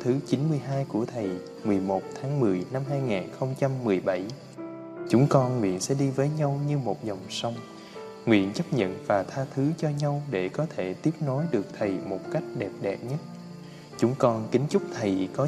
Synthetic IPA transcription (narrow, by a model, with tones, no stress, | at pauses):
t̪ʰɨ˨˦t͡ɕi˨˦nmɨ˧əjɦaː˧jku˧˩ət̪ʰə˨˩j | mɨ˨˩əjmo˨˩t̚t̪ʰaː˨˦ŋmɨ˨˩əjna˧mɦaː˧jŋaː˨˩nxə˧wŋ͡mt͡ɕa˧mːɨ˨˩əjɓa˧˩j | t͡ɕʊ˨˦ŋ͡mkɔ˧nŋwḭ˧˨ənsɛ̰˧˥ɗi˧vəː˨˦jɲa˧wɲɨ˧mo˨˩t̚za˨˩wŋ͡msa˧wŋ͡m | ŋwḭ˧˨ənt͡ɕə˦˥p̚ɲə̰˧˨nvaː˨˩t̪ʰaː˧t̪ʰɨ˨˦t͡ɕɔ˧ɲa˧wɗe˧˩kɔ˨˦t̪ʰe˧˩t̪i˦˥əp̚no˨˦jɗɨ˨˩ək̚t̪ʰə˨˩jmo˨˩t̚ka˦˥jk̟̚ɗɛ˨˩p̚ɗɛ˨˩p̚ɲə˦˥t̚ | t͡ɕʊ˨˦ŋ͡mkɔ˧nkï˨˦ŋ̟t͡ɕʊ˦˥k͡p̚t̪ʰə˨˩jkɔ˨˦